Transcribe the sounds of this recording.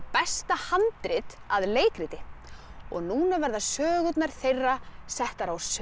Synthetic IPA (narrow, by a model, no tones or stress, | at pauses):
pɛst̪ahant̪ɾɪt̪aðleːjkɾɪt̪ɪ | ɔɣnuːnavɛɾðasœːɣʏt̪naɾ̥θejrːasɛht̪aɾaws